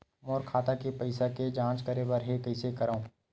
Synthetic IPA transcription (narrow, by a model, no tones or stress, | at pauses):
ɔːɾkʰaːt̪akepɐɪsaked͡ʒãːt͡ʃkɐɾebɐɾɦekɐɪsekɐɾaõː